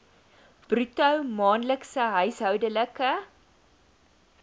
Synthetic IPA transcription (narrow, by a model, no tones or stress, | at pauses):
b̥rytɐwmɑːnləksəɦœɥsɦœwdələkə